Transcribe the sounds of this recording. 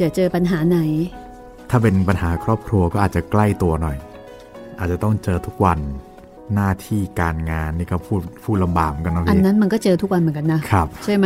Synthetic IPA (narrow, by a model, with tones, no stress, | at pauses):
t͡ɕa˨˩t͡ɕɤː˧pa˧nɦaː˩˦na˩˦j | t̪ʰaː˥˩pe˧npa˧nhaː˩˦kʰɾɔː˥˩p̚kʰɾu˧ɐkɔː˥˩ʔaː˨˩t̪̚t͡ɕa˨˩kla˥˩jt̪u˧ɐnɔ˨˩j | ʔaː˨˩t̪̚t͡ɕa˨˩t̪ɔ˥˩ŋt͡ɕɤː˧t̪ʰu˦˥k̚wa˧nː | aː˥˩t̪ʰiː˥˩kaː˧nŋaː˧nːiː˥˩kɔː˥˩pʰuː˥˩t̪̚pʰuː˥˩t̪̚la˧mba̰ː˨˩m˨˦ka˧nɔ˦˥pʰʔa˧˦nːa˦˥nma˧nkɔː˥˩t͡ɕɤː˧t̪ʰu˦˥k̚wa˧nmɯ˩˦nka˧nːa˦˥kʰɾa˦˥˩p̚t͡ɕʰu˥˩jm˦˥